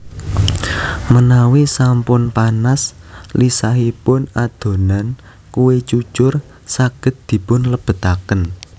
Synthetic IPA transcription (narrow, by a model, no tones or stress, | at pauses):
mənawisampʊnpanas | lisaɦipʊnad̪̥o̤nan | kuwet͡ʃu̥t͡ʃʊr | saɡ̥ə̤t̪̚d̪̥i̤pʊnləb̥ə̤t̪akən